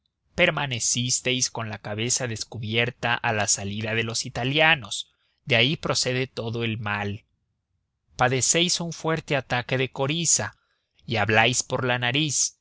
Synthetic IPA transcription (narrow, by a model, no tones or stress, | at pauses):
pe̞ɾmane̞sist̪e̞jsko̞nlakaβe̞saðe̞skuβje̞ɾt̪aʔalasaliðaðe̞lo̞sit̪aljano̞s | ðeaipɾo̞se̞ðe̞t̪o̞ðo̞e̞lmal | paðe̞se̞jsuɱfwe̞ɾt̪e̞at̪ake̞ðe̞ko̞ɾisa | iaβlajspo̞ɾlanaɾis